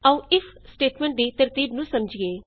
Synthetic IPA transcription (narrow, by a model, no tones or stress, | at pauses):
əũːɪpʰsʈeːʈmɛ̃ːɳʈ̚d̪iːt̪əɾt̪iːbnũːsəmd͡ʒɡeː